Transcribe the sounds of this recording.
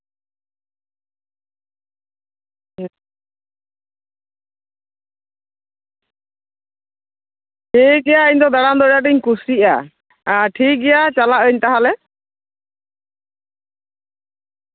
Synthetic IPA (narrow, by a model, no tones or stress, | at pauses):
ʈʰik̚ɡɛjaəɲd̪ɔd̪aɽamd̪ɔɾjaʈ̬iɲkusiʔa | aʈʰik̚ɡɛjat͡ʃalaʔəɲt̪aɦalɛ